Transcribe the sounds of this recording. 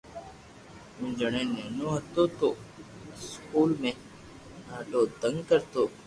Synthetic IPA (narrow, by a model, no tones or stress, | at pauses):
ũːd͡ʒəɳẽːneːnõːɦət̪oːt̪oː | skuːlmẽː | naːʈoːd̪əŋɡkəɾt̪oː